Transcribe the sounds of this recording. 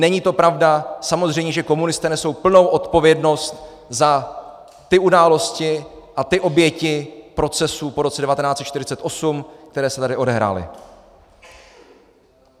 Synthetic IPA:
nɛɲiːt̪o̞pɾavdasamo̞zr̝ɛjɲɛʒɛko̞munɪst̪ɛːnɛso̞wpl̩no̞wʔo̞t̪po̞vjɛdno̞st̪ | za | t̪ɪʔudaːlo̞scɪ | ʔat̪ɪʔo̞bjɛcɪpɾo̞t͡sɛsuːpo̞ɾo̞t͡sɛdɛvat̪ɛnaːtt͡sɛt̪t͡ʃt̪ɪɾ̝ɪ̥t͡sɛt̪ʔo̞sumk̚t̪ɛɾɛːsɛt̪adɪʔo̞dɛɦɾa̰ːlɪ̰

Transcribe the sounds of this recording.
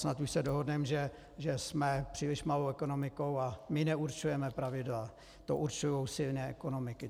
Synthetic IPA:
snat̪uʃsɛdoɦodnɛmʒɛ | ʒɛsmɛpr̝̥iːlɪʃmalowɛko̞nomɪko̞wamɪnɛuɾt͡ʃujɛmɛpɾavɪdla | t̪oʔuɾt͡ʃujowsɪlnɛːʔɛkono̞mɪkɪ

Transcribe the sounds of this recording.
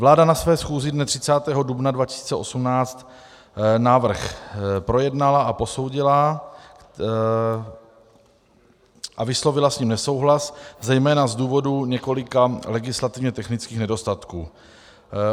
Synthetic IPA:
vlaːdanasvɛːsxuːzɪdnɛt̪r̝̥ɪt͡saːt̪ɛːɦo̞dubnadvacɪ̥si̥ːt͡sɛʔo̞sumnaːt͡st̪ | naːvr̩xpɾo̞jɛdnalaapo̞so̞wɟɪla | ʔavɪslo̞vɪlasɲimnɛso̞wɦlaszɛjmɛːnazduːvo̞duɲɛko̞lɪkalɛɡɪslat̪ɪvɲɛt̪ɛxnɪt͡skiːxnɛdo̞st̪at̪kuː

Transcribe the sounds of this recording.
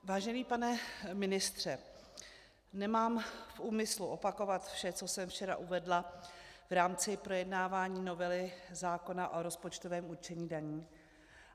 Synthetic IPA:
vaːʒɛniːpanɛmɪnɪst̪r̝̥ɛ | nɛmaːmfʔuːmɪsluʔo̞pako̞vat̪fʃɛt͡so̞sɛmft͡ʃɛɾa̰ʔuvɛdla | vɾaːmt͡sɪpɾo̞jɛdnaːvaːɲiːno̞vɛlɪzaːko̞naʔoɾospot͡ʃt̪ovɛːmut͡ʃɛɲiːdaɲiː

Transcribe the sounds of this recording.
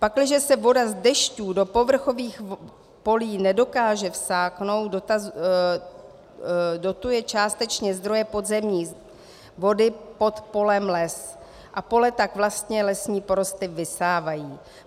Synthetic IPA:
paklɪʒɛsɛvo̞dazdɛʃcuːdo̞po̞vr̩xo̞viːx | po̞liːnɛdo̞kaːʒɛfsaːkno̞wdoaz | do̞t̪ujɛt͡ʃaːst̪ɛt͡ʃɲɛzd̪ɾo̞jɛpo̞d̪zɛmɲiː | vo̞dɪpo̞t̪po̞lɛmlɛs | ʔapo̞lɛt̪akvlast̪ɲɛlɛsɲiːpo̞ɾo̞st̪ɪvɪsaːvajiː

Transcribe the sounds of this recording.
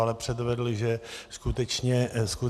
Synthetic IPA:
alɛpr̥ɛd̪vɛdl̩ɪʒɛskut̪ɛt͡ʃɲɛsku

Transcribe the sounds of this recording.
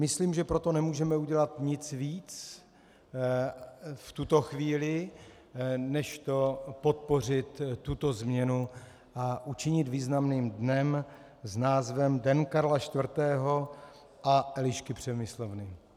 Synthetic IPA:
mɪsliːmʒɛpɾo̞t̪o̞nɛmuːʒɛmɛuɟɛlat̪ɲɪt͡sviːt͡s | ft̪ut̪o̞xviːlɪ | nɛʃt̪o̞po̞t̪̚po̞r̝ɪt̪ːut̪o̞zmɲɛnu | ʔaʔut͡ʃɪɲɪt̪viːznamniːmdnɛm | znaːzvɛmdɛnkaɾlaʃt̪vr̩t̪ɛːɦo̞ | ʔaʔɛlɪʃkɪpr̝̥ɛmɪslovnɪ

